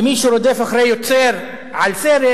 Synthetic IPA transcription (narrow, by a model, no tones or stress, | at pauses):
miʃuɾod̪efaχɾejot͡seɾ | ʕalseɾe